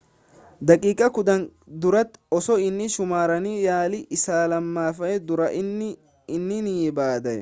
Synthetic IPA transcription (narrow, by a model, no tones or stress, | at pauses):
d̪ɐkʼiːkʼɐkʊd̪ɐnd̪ʊɾɐt̪ɔsɔɪnːɪʃʊmaːɾɐnijaːlɪʔɪsaːlɐmːaːfɐjɛd̪ʊɾɐʔɪnːɪ | ɪnːɪniːbaːd̪ɐjɛ